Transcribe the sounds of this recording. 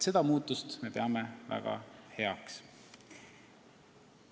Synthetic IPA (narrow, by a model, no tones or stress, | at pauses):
se̞d̪̥ɑmuːt̪ːˑust̪met̪e̞ɑmevæ̰ɡ̥ɑ̰he̞ɑks